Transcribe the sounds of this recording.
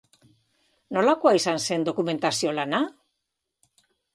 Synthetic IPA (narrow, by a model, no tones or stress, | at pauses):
no̞lako̞aisanse̞nd̪o̞kume̞nt̪asio̞lana